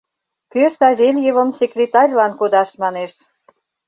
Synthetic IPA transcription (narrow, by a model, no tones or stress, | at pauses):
køsɑβelʲjevə̆msekrʲet̪ɑrʲlɑnkod̪ɑʃmɑneʃ